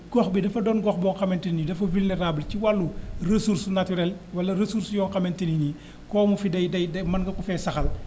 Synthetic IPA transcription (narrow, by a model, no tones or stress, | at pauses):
kɔxbidɐfɐdɔːnɡɔxbɔːŋxɐmentininidɐfɐvulneɾaːbəlciwalːuresuːɾsnatyɾɛlwɐlɐɾesuɾsjɔːŋkɐmentinini | koːmufidɐjdɐjdɐmɐnɡɐkufeːsɐxɐl